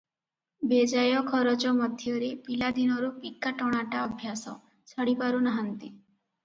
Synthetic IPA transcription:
bed͡ʒajɔkʰɔɾɔt͡ʃɔmɔd̪ʱjɔɾepilad̪inɔɾupikːaʈɔɽ̃aʈaɔbʱjasɔ̰ | sʰɔɽipaɾunaɦant̪i

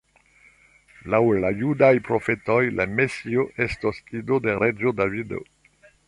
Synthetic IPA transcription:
lawlajudajpɾo̞fe̞tojlamesioʔestosidode̞ɾed͡ʒodavido̰

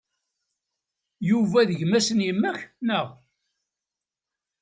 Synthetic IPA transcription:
juvæðəʝmæsənjəmːæçnəʁ

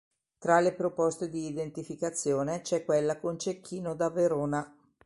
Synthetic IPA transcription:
t̪ɾalepɾopɔst̪ed̪iːd̪ent̪ifikat̪sːjoːnet͡ʃɛkːwelːakont͡ʃekʰːiːnod̪aveɾoːna

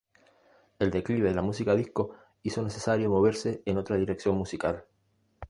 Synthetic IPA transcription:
e̞ld̪e̞kliβe̞ðelamus̬ikaðihko̞ | iso̞ne̞sesaɾjo̞mo̞β̞e̞ɾse̞ːno̞t̪ɾaðiɾe̞ksjo̞nmusikal

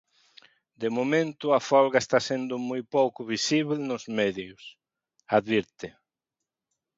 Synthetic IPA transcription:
d̪emomẽnt̪ʊafɔlɣaest̪asend̪ʊmojpowkʊβisiβelnʊzmeðjʊs | aðβiɾt̪ɪ

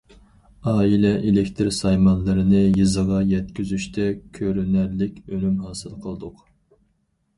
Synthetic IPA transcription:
ɑːilɛʔelɪkʲt̪ʰɨɾsɑjmɑnlˠɨɾɨnɨjɨzəʁɑjɛt̪kʲyzyʃt̪ʰɛkʲʰøɾynæɾlɪkʲølymɦɑːsɨlˠqʰəlˠd̪ʊq

